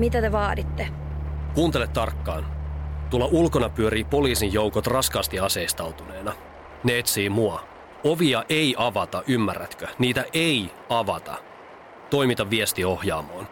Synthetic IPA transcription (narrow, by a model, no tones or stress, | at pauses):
mit̪æt̪eʋɑːdit̪ːe | kuːnt̪elet̪t̪ɑrkːɑːnt̪uolːɑʔulkonɑpyøɾiːpo̞liːsijjowkot̪rɑskɑːst̪iɑseist̪ɑwt̪une̞ːnɑ | neet̪siːmuɑ | o̞ʋiɑʔejʔɑʋɑt̪ɑʔymːærːæt̪køniːt̪æʔe̞i | ɑʋɑt̪ɑ̰ | t̪o̞imit̪ɑʋːiest̪io̞hjɑːmoːn